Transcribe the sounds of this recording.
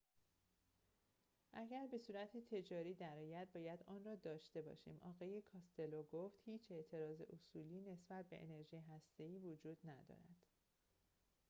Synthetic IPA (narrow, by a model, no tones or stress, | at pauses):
ʔæɟæɾbe̞suːɾæt̪ʰet̪ʰe̞d͡ʒɒːɾiːd̪æɾɒːjæd̪̚bɒːjæd̪ɒːnrɒːd̪ɒːʃt̪e̞bɒ̰ːʃḭːmʔɒ̰ːɣɒːje̞kʰɒːst̪e̞loɡoft̪hiːt͡ʃʰe̞ʔt̪ʰe̞ɾɒːze̞̰ʔosuːliːne̞sbæt̪̚be̞̰ʔḛne̞ɾʒiːjeɦæst̪e̞iːvod͡ʒuːd̪̥næd̪ɒ̰ːɾæd̪̥